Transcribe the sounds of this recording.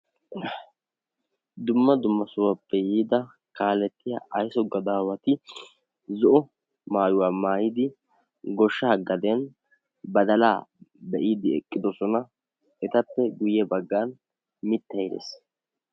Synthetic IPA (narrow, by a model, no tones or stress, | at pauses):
d̪ʊmːɐd̪ʊmːɐsʊwapːɛjiːd̪ɐ | kaːlɛt̪ːɪja̰ːʔɐjsɔɡːɐd̪aːwɐt̪ɪ | zɔʔɔ | maːjʊwaːmaːjɪd̪ɪ | ɡɔʃːɐhɐɡːɐd̪ɛn | bɐd̪ɐlaːbɛʔiːd̪ɪɛkʼːɪd̪ɔsɔnɐ | ɛt̪ɐpːɛɡʊjɛbɐɡːaːn | mɪt̪ːɐjɪd̪ḛs